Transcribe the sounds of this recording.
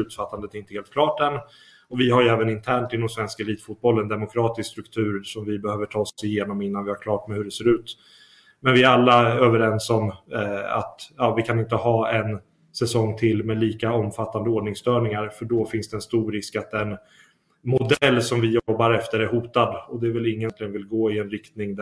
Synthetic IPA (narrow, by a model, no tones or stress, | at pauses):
lʉ̟ːt̪fat̪ːand̪ət̪ɛɾɪnt̪əheːlt̪klɑːʈd̪ɛn | ɔvɪɦaɾjɛːvənɪnt̪ʰæːɳʈɪlnɔmsvɛnskaɛliːt̪fut̪̚bɔlːɛnd̪ɛmʊkʰɾɑːt̪ɪskst̪ɾɵkt̪ʰʉ̟ːɾsɔmvɪbɛhøːvəʈʰɑːsɪjeːnɔmɪnːanvɪhaɾkʰlɑːʈmɛhɵɖɛseːɾʉ̟ːt̪ | mɛnvɪæɾalːaøːvəɾɛnsɔm | a̰t̪jɑːvɪkʰanɪnt̪əɦɑːɛn | sɛsɔŋːt̪ʰɪlːmɛːliːkaɔmfat̪ːand̪əoːɖɳɪŋsd̪œːɳɪŋaɾfœɖɔfɪnsd̪ɛːnst̪uːɾɾɪskat̪̚d̪ɛn | mʊd̪ɛlːsɔmvɪjɔbːaɾɛft̪əɾæɾɦuːt̪ad̪ɔd̪ɛːɾvɛlɪŋːənt̪lɪɡənvɪlɡoːɪɛnɾɪkt̪nɪŋd̪æ